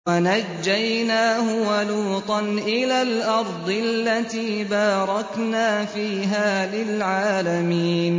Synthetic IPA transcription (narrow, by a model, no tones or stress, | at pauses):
anad͡ʒːajnaːɦʊwaluːt̪ˤɑnʔɪlaːlʔɑɾˤd̪ˤɪalːat̪iːbɑːɾˤɑknaːfiːɦaːlɪlʕaːlamiːn